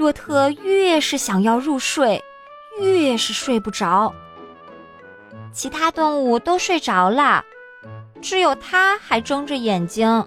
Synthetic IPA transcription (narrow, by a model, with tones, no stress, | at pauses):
ɻwɔ˥˧˩t̪ʰɤ˥˧y˥˧jɛ˥˧ʂɻ̩˥˩ɕjɑ˨˩ŋjɑ˥˧ʊɻu˥˧ʂwe˥˩ɪ | y˥jɛ˥˧ʂɻ̩˥˧ʂwe˥˧ɪpu˥˩ʈ͡ʂɑ˧˥ʊ | t͡ɕʰi˧˥t̪ʰa˥t̪ʊ˥˧ŋu˥˩t̪o˥ʊʂwe˥˩ɪʈ͡ʂɑ˧˥ʊlə˥˧ | ʈ͡ʂɻ̩˧˥jo˨˩ʊt̪ʰa˥xa˧˥ɪʈ͡ʂɤ˥ŋʈ͡ʂə˧jɛ˨˩nt͡ɕi˥ŋ